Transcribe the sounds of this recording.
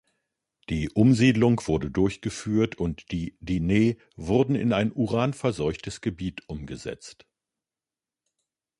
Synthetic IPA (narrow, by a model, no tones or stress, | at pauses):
d̥iːʔʊmziːdlʊŋv̥ʊɐdədʊɐçɡ̥əfyːɐtʰʊntd̥iːdiːneː | vʊɐdn̩ɪ̰naɪnʔuʁaːnfɛɐzɔʏçtʰəsɡ̥əbiːtʰʔʊmɡəzɛ̰t͡st